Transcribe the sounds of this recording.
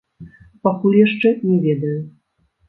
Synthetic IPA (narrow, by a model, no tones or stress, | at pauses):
pakulʲjaʂt͡ʂɛnʲɛvʲɛd̪ɐju